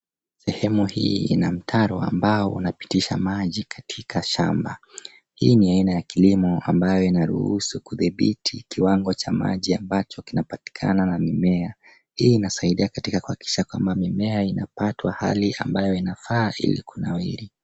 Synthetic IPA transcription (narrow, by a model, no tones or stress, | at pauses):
sɛhɛmuhiːḭnam̩tʰaɾɔa̰mbaɔṵnapi̥tiʃa̰maʄikʰḁtʰikʰaʃa̰mba | hiːniainajakilimɔambajɔinaɾṵhusukuðiɓitʰikiwaŋɡɔt͡ʃama̰ʄiambat͡ʃɔkinapati̥kʰa̰nanamimɛa | hiːnasaiɗiakatikakuhaki̥ʃakwambamimɛainapatwaha̰liʔa̰mbajɔinafaːʔḭlḭkunawḭɾi